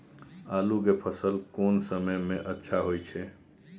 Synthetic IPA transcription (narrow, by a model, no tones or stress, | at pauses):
alukepʰəsəlkonsəməjmeʔətːʃʰaɦojt͡ʃʰɛ